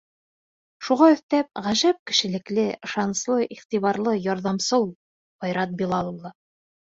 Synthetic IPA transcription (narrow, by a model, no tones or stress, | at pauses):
ʃuʁɑɵ̆θt̪æp̚ʁæʒæp̚kɘ̆ʃɘ̆lɘ̆klɘɤ̆ʃɑnɤ̆slˠɤʔiχt̪iβɑɾlˠɤjɒɾðɑmsɤw̪ˠ | bɒjɾɑt̪̚bilˠɑlˠɤ̆wlˠɤ